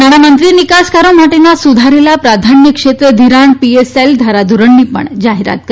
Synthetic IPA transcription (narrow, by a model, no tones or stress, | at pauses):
naɽamənt̪ɾiːnikaskaɾom̤aʈenasud̪ʱaɾelapɾad̪ʱanjəkʂet̪ɾəd̪ʱiɾaɳpieseld̪ʱaɾad̪uɾəɳːipə̰ɳd͡ʑaɦiɾa̰t̪̚kə